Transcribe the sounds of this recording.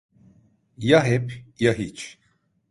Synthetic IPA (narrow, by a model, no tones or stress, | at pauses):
jaɦɛpʰjaɦit͡ʃʰ